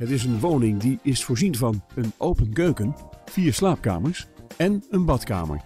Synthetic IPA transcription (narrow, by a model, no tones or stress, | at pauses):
ɦətɪs̬ənʋoːnɪŋdiʔɪsfoːɹzinvɑnənʔowpənkøɥkənfiːəɹslaːp̚ka̰ːməɹsɛnənbɑtka̰ːmə̰ɹ